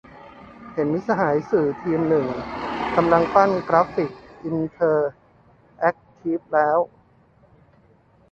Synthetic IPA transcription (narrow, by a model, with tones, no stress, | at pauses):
he˩˦nmi˦˥sa˧ɦaː˩˦jsɯː˨˩t̪ʰiː˧mnɯ˨˩ŋka˧mla˧ŋpa˥˩nkɾa˦˥pi˨˩k̚ʔi˧nt̪ʰɤː˧ | ʔɛ˦˥k̚t̪ʰiː˦˥p̚lɛː˦˥w